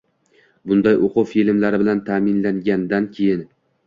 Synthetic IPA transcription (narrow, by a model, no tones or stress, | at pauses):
bʊnd̪ajʔoqʰʊfilmlaɾɪbɪlant̪ʰamɪnlaŋɡʲand̪ankʲʰe̞jɪn